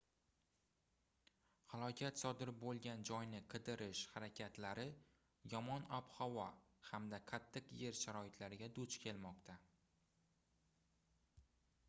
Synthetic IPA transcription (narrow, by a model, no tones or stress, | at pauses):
halˠɒkʲʰat̪sɒd̪ɪɾɪp̚bolˠɡʲand͡ʒɒjnɪqʰɨd̪ɪɾɪʃhaɾakʲʰat̪laɾɪ | jɒmɒnɒphɒvɒhamd̪aqʰat̪ʰːɨqje̞ɾʃaɾɒɪt̪laɾɪɡʲad̪ʊt͡ʃkʲʰe̞lmɒqt̪ʰa